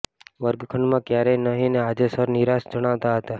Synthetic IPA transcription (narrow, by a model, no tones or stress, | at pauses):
ʋəɾbɪkʰəɳmãːkjaːɾenəɦĩneaːd͡ʒesəɾnɪɾaːsd͡ʒəɽ̃aːt̪aɦət̪aː